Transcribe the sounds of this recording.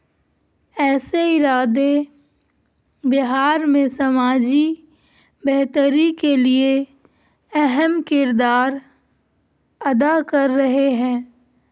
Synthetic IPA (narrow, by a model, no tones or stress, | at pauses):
ɛːseɪɾaːd̪e | bɪɦaːɾmẽsɐmaːd͡ʒi | bɛɦt̪əɾikelie | ɛɦɛmkɪɾd̪aːɾ | ɐd̪akɐɾːɐɦeɦɛ̃ː